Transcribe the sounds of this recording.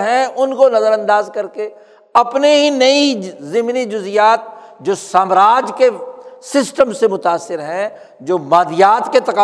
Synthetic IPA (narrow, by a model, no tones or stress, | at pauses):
ɦɛ̃ʊnkonɐzəɾə̃nd̪aːzkɐɾke | ɐpneɦinɐizɪmnid͡ʒʊzɪjaːt̪̚d͡ʒoːsaːmɾaːd͡ʒkesɪsʈəmsemʊt̪aːsːɪɾɦɛ̃ | d͡ʒoːmaːd̪ɪjaːt̪ket̪ɐkaː